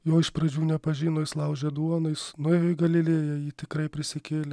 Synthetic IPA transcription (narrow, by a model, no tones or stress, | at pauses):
joːɪʃprɐd͡ʒʲuːnʲɛpɐʒʲiːnoːjɪslˠɐʊʒʲɛd̪uɔnʊɪsnʊjoːɪɡɐlʲɪlʲeːjɛjiːt̪ʲɪkɾɐɪpʲɾʲɪsʲɪkʲeːlʲɛ